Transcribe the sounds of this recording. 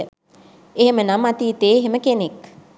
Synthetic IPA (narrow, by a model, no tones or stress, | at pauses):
eɦemənamat̪iːt̪eːeɦeməkenek